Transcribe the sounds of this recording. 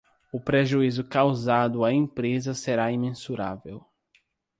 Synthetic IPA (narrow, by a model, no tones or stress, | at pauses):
ʊpɾeʒuizʊkawzad̪ʊaẽpɾezɐseɾaĩmẽsuɾa̰vew